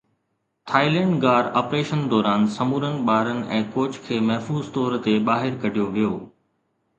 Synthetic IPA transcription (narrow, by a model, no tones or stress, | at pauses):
t̪ʰaːɪlɛ̃ːɳɖɡaːɾɔːpɾeːʃənd̪ɔːɾaːnsɐmuːɾənɪ̆ɓaːɾənɪ̆ʔɛ̃ːkoːt͡ɕkʰeːmɛɦfuːzt̪ɔːɾt̪eɓaːɦɪɾkɐɖʱijoʋijoː